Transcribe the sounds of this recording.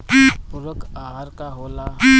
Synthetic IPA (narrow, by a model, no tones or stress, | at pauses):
pʊɾəkaɦaɾkaɦoːla